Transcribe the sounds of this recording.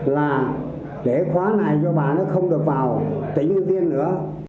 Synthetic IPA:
laː˨˩ | ɗe˧˩xwaː˨˦na˨˩jzɔ˧ɓaː˨˩nɨ̰˨˦xə˧wŋ͡mɗɨ˨˩ək̚vaː˨˩wt̪ï˧˦ŋ̟ʔɨ˧vi˧ənːɨ̰˧˥ə

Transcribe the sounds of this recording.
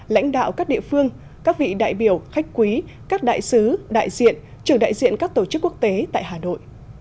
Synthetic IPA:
la̰˧˥jŋ̟ɗa̰ː˧˨wkaː˦˥k̚ɗḭ˧˨əfɨ˧əŋ | kaː˦˥k̚vḭ˧˨ɗa̰ː˧˨jɓi˧˩əwxa˦˥jk̟̚kwi˨˦ | kaː˦˥k̚ɗa̰ː˧˨jsɨ˨˦ɗa̰ː˧˨jzḭ˧˨ən | t͡ɕɨ˨˧˩əŋɗa̰ː˧˨jzḭ˧˨ənkaː˦˥k̚t̪o˧˩t͡ɕɨ˦˥kːu˦˥ək̚t̪e˨˦t̪a̰ː˧˨jɦaː˨˩no̰˧˨j

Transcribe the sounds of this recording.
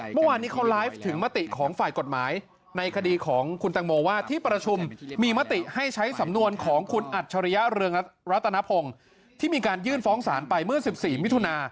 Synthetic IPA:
mɯ˥˩waː˧nːiː˦˥kʰa˦˥wlaː˦˥jf̚t̪ʰɯ˩˦ŋma˦˥t̪i˨˩kʰɔː˩˦ŋfaː˨˩jko˨˩t̪̚maː˩˦j | na˧jkʰa˧diː˧kʰɔː˩˦ŋkʰu˧nt̪ɛ˧ŋmoː˧waː˥˩t̪ʰiː˥˩pɾa˧t͡ɕʰu˧mːiː˧ma˦˥t̪i˨˩ʔha˥˩jt͡ɕʰa˦˥jsa˩˦mnu˧ənkʰɔː˩˦ŋkʰu˧nʔa˨˩t̪̚t͡ɕʰa˧ɾa˦˧ja˦˥ɾɯ˧əŋɾa˦˥t̪ʰːa˧na˦˥pʰo˧ŋ | t̪ʰiː˥˩miː˧kaː˧njɯː˥˩nfɔː˦˥ŋsaː˩˦npa˧jmɯ˥˩ɐsi˨˩p̚siː˨˩mi˦˥t̪ʰu˧naː˧

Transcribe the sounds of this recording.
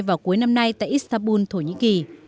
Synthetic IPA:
jvaː˨˩wku˨˦əjna˧mna˧jt̪a̰ː˧˨jʔi˦˥st̪aː˧mɓu˧nt̪ʰo˧˩ɲḭ˧˥ki˨˩

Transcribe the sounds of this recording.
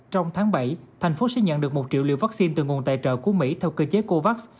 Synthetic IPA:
t͡ɕɔ˧wŋ͡mt̪ʰaː˨˦ŋɓa˧˩jt̪ʰa˨˩jŋ̟fo˨˦sɛ̰˧˥˦ɲə̰˧˨nɗɨ˨˩ək̚mo˨˩t̚t͡ɕḭ˧˨wlḭ˧˨wva˦˥k̚si˧nt̪ɨ̰˨˩ŋu˨˩ənt̪a̰ː˧˨jt͡ɕə̰ː˧˨ku˧˩əmḭ˧˥t̪ʰɛ˧wkəː˧t͡ɕe˨˦ko˧va˦˥k̚s

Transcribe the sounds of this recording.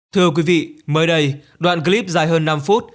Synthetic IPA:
t̪ʰɨ˧əkwi˨˦vḭ˧˨məː˨˦jɗə˧j | ɗwa̰ː˧˨nɣə˧li˦˥p̚zaː˧˩jɦəː˧nːa˧mfu˦˥t̚

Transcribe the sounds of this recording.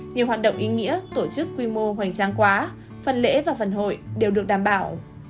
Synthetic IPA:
ɲi˨˩əwɦaː˨˩t̚ɗə̰˧˨wŋ͡mʔi˨˦ŋḭ˧˥ət̪o˧˩t͡ɕɨ˦˥kːwi˧mo˧ɦwa˨˩jŋ̟t͡ɕaː˧ŋkwaː˨˦ | fə˨˩nlḛ˧˥vaː˨˩fə˨˩nɦo̰˧˨jɗe˨˩wɗɨ˨˩ək̚ɗaː˨˩mɓaː˧˩w

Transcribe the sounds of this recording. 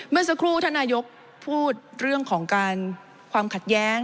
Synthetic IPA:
mɯ˧əŋsa˧kʰɾuː˥˩t̪ʰaː˥˩nːaː˧jo˦˥k̚ | pʰuː˥˩t̪̚ɾɯ˥˩əŋkʰɔː˩˦ŋkaː˧n | kʰwaː˧mkʰa˨˩t̪̚jɛː˦˥ŋ

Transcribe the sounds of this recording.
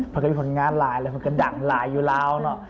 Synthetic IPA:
pʰɔ˧˩kːpʰo˨˦nŋaː˧nlaː˨˦jlaː˧˦ma˧˦ka˧˦nda˨˩ŋlaː˨˩˦jːuː˨˩laː˧˥wnɔ˦˥ʔ

